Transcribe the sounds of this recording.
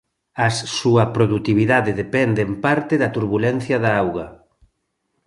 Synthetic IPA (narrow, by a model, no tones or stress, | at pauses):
ɐssuɐpɾoðut̪iβiðaðeðepɛnd̪empaɾt̪eðɐt̪uɾβulɛn̟θjɐðaawɣɐ